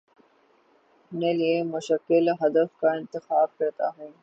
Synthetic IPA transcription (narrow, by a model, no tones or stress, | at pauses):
hʊneliemʊʃɐkːɪlɦɐd̪əfkaɪnt̪ɪxaːb̚kɐɾt̪a̰ːɦɛe